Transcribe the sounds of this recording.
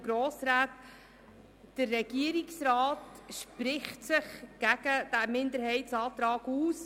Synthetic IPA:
ɡɾoːsɾaːt | d̥əɾːɛɡ̥iəɾiksɾɑːtʃpɾɪχtsɪχɡ̥æɡ̥əd̥æmɪndəɾhɛɪtsɑːt̪ɾɑːɡ̥uːs

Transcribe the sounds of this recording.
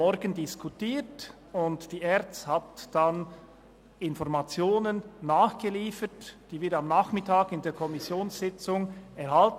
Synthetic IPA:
ɔɾɡəndɪskʰutiːt | ʊntd̥iːʔɛɾt͡sthatd̥an | ɪnfɔɾmat͡sjoːnənːaːχɡ̥əliːfətd̥iːvɪɾtamnaːχmɪtʰaːɡɪndeːɐkʰɔmɪsjoːnsz̥ɪt͡sʊŋɛɾhalt

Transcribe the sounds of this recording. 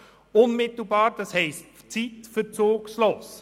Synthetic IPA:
ʊnmɪt̪l̩ˠbɑːɾd̥ɑshɛɪst | t͡sitfət͡soːksloːs

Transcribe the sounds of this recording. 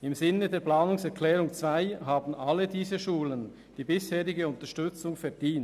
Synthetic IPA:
ɪmzɪnːədeːɐplaːnʊŋsɛʁkʰlɛːʁʊŋt͡sv̥aɪɦaːbn̩ʔalədiːzəʃuːlən | d̥iːbɪsheːʁɪɡəʊntɐʃtʏt͡sʊŋfɛɐd̥iːnt

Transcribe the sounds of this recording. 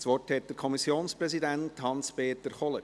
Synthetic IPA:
sʋɔrthɛt̚d̥əɾkʰɔmisjoːnspɾɛsidænthɑnspeːt̪əɾχɔlə

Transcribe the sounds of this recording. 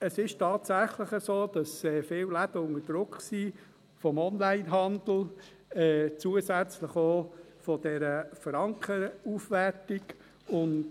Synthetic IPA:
əsɪʃtʰɑːtsæχləχəzoːd̥ɑsɛːfɪːllæd̥əʊŋəd̥ɾʊkχsiː | fɔmɔnlæɪnɦɑnd̪l̩ | ɛːt͡suːəzæt͡sləχoː | fɔd̥ɛɾəfəɾɑŋkχəɾuːfʋɛɾtɪɡ | ʊn

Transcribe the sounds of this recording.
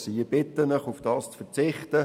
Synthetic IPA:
siːb̥ɪt̪ənəχufd̥ɑːst͡sfəɾt͡sɪχtə

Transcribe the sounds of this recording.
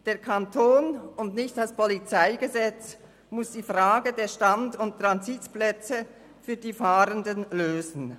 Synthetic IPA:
d̥eːɐkʰɑntʰoːnʊndnɪçtaspɔlit͡saɪɡəzɛt͡s | mʊsd̥iːfʁaːɡədeːʃtandʊnttʁɑnzitplɛt͡sə | fyːɐdiːfaːɾəndənløːzn̩

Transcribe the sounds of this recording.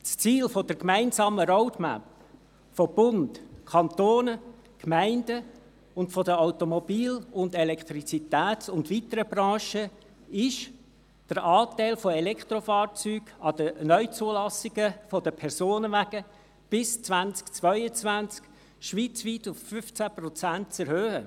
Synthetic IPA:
st͡siːlfɔd̥əɾkmæɪnzɑːməɾɔʊtmæ̰p | fɔb̥ʊndkʰɑnt̪oːnə | kmæɪndə | ʊntfɔdəaʊtomɔbiːlʊndɛlɛkχt̪ɾit͡sit̪æːt͡sʊndʋit̪əɾəbɾɑ̃ːʃə | ɪʃ | d̥əɾʔɑːt̪æɪlfɔɛlɛkχt̪rofɑːrt͡syːɡɑd̥ənœʏt͡suəlɑsɪɡəfɔdəpʰɛɾsoːnəʋæɡ̥ə | b̥ɪst͡svænt͡skt͡svœʏət͡svænt͡sk | ʃʋiːt͡sʋit̪ʊffʏft͡sæpɾɔt͡sæntt͡sɛɾhøːhə

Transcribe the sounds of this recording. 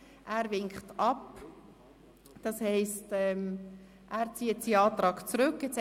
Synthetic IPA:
ʔæːɾvɪŋkχtɑp | d̥ɑshɛɪstɛm | ʔæːɾt͡siːətsiɑːt̪ʁɑːɡt͡sɾʏkːɛt͡s

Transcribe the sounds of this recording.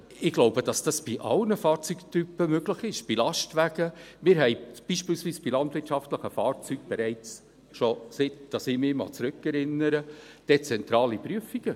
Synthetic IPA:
ɪɡ̥loʊbəd̥ɑsd̥ɑsb̥iʔɑ̰lnəfɑːɾt͡syktypːəmøɡləχɪʃb̥ilɑʃtʋæɡ̥əmɪːɾɦɛɪb̥iʃpiːlsviːsb̥ilɑndvɪtʃɑftləχəfɑːɾt͡syːɡ̚b̥ɛɾɛɪt͡s | ʃosɪtd̥ɑsɪmɪmɑ̰t͡sɾɵkɛɾɪnːəɾəd̥et͡sɛnt̪ɾɑːlipɾyəfiɡ̥ə

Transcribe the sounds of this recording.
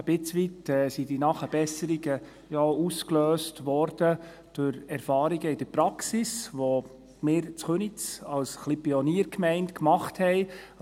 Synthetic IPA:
əb̥ɪt͡sʋitɛːsidinɑχəb̥ɛsəɾiɡə | jɔuskløːstʋɔɾd̥ə | d̥ʊɾɛɾfɑːɾiɡəɪdəɾpɾɑksisʋo | mɪːɾt͡sχønit͡sɑlsχlipiɔniːəɾkmɛɪntkmɑχthɛɪ

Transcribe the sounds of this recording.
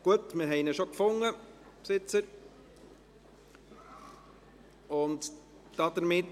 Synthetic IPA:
ɡ̥uətmɪɾɦɛɪnəʃokfʊŋːə | psɪt͡səɾ | ʊnt | d̥ɑd̪əɾmɪt

